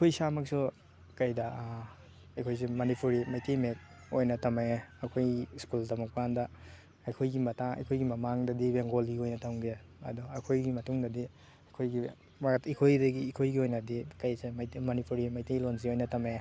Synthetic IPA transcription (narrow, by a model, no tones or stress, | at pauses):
ikʰojsamɐk̚su | kɐjdɐ | ɐjkʰojs̬imɐnipuɾimɐjtejmek̚ | ojnɐtɐmaɐkʰojskuldɐmɐk̚pandɐ | ɐjkʰojɡimɐtaŋɐ̰jkʰojɡimɐmaŋdɐdibeŋɡoliojnɐtʰɐŋɡeɐ̰dɔɐkʰojɡimɐtuŋdɐdi | ɐjkʰojɡi | mikʰojdɐɡiːkʰojɡiojnɐdikɐjsemɐnipʰuɾimɐjtejlons̬iojnɐtʰɐme